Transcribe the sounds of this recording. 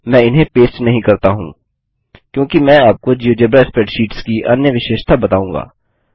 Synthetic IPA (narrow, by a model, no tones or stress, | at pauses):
mɛ̃ːɪnɦẽpeːsʈnɐɦĩkɐɾt̪aɦṵ̃ː | kjõːkimɛ̃ːaːp̚kod͡ʒiod͡ʒebɾɛːspeːʈʃiːʈskiʔɐnjəʋɪʃeːʃt̪ʰabɐt̪aːũːŋɡa̰ː